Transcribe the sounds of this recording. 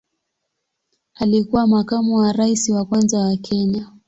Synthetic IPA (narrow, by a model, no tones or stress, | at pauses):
alikuwamakamuwaɾaisiwakwanzawakʰɛɲa